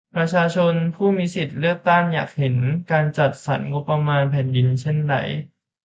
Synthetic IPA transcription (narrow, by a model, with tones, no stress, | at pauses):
pɾa˧t͡ɕʰaː˧t͡ɕʰo˧npʰuː˥˩mi˧si˨˩t̪̚lɯ˥˩ək̚t̪a˥˩ŋja̰ː˨˩k̚he˩˦nkaː˧nt͡ɕa˨˩t̪̚sa˩˦nŋo˦˥pːɾa˧maː˧npʰɛː˨˩˦ndi˧nt͡ɕʰe˥˩nda̰˨˩˦j